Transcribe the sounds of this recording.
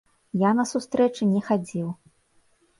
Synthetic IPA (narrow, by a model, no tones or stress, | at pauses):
janɐsust̪ɾɛt͡ʂɨnʲɛxad͡zʲiw